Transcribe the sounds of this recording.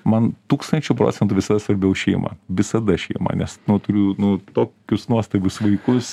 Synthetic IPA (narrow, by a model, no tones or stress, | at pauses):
mɐnt̪uːkst̪ɐnʲt͡ʃʲʊpɾo̰ːt͡sʲɛnt̪uːʋʲɪsɐd̪ɐsʋɐɾʲbʲɛʊʃʲɛɪmɐ̰ʋʲɪsɐd̪ɐʃʲɛɪmɐ̰nʲɛsnʊt̪ʊɾʲʊnʊt̪oːkʲʊsnuɔst̪ɐbʲʊsʋɐɪkʊs